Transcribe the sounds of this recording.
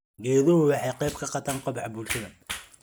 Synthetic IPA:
ɡɛːðɔhʊwɑħɑjqɛjb̚kʰɐqɑt̪ʰaːŋqɔbħɑbuːlʃɐðɐ

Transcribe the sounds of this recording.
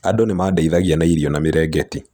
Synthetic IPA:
adɔnemaːdaiðaɣianaiɾiɔnamiɾɛɡɛti

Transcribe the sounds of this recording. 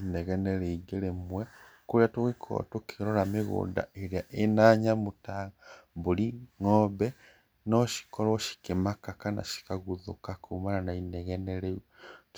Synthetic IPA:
inɛɣɛnɛɾeiɡeɾemwe | kuliatoɣekʰo̰tokeɾoɾameɣṵːnda̰eɾeaʔenaːɲamutaɣaβuliŋɔːβɛ | nɔʃi̥kɔɾɔʃi̥kemakakana̰ʃi̥kaɣuðukakʰumananainɛɣɛneɾe

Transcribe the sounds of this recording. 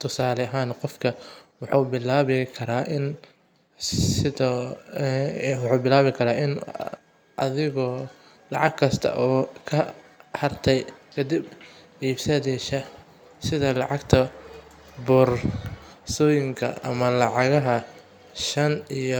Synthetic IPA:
t̪ʰʊsaːlɛɐɦaːnqɔfkʰɐwɑħuːbɪlaːβɪkʰɐɾaːʔɪn | sɪðɔ | wɑħuːbɪlaːβɪkʰɐɾaːʔɪn | ʔɐðɪɣɔː | lɑʕɑɡkʰɐst̪ʰɐ̰ʔɔːkʰɐ | hɐrt̪ʰɛjkʰɐd̪ibʕiːbsɐðɛʃɐ | sɪðɐlɑʕɑɡt̪ʰɐ | bʊr | sɔjɪŋkʰɐ̰ɐ̰mɐlɑʕɑɣɐɦɐ | ʃɐnijɔ

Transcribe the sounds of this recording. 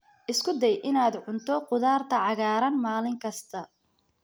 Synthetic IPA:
ʔɪskʰʊd̪ɛjʔɪnaːd̪ʕʊnt̪ʰɔqʊðaːrt̪ʰɐʕɑɣaːɾɐnmaːlɪŋkʰɐst̪ʰɐ

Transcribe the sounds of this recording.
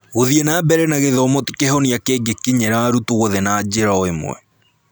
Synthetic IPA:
ɣoðienaːbɛɾɛnaɣeðɔmɔti̥kehɔniakeːɡekiɲɛɾaɾutoɣoðɛnaːd͡ʑeɾaɔemw̰ɛ̰

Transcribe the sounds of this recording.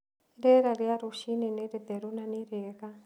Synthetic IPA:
ɾɛɾaɾiaɾuʃininiɾit̪ɛɾunaniɾeka

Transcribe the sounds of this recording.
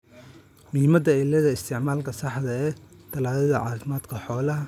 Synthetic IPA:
miːmɐd̪ɐɪlːɐðɐɪst̪ʰɪʕmaːlkʰɐsɑħðɐɛː | t̪ʰɐlaːðɐðɐʕɑːfɪmaːd̪̥kʰɐħɔːlɐ

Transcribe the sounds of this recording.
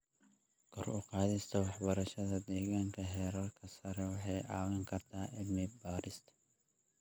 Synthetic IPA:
kʰɔrʊqɑːðɪst̪ʰɐwɑħbɐɾɐʃɐðɐd̪ɛːɣaːŋkʰɐɦɛːɾɐrkʰɐsɐɾɛwɑħɑjʔaːwɐŋkʰɐrt̪ʰaːʔɪbmɪbaːɾɪst̪ʰɐ̥

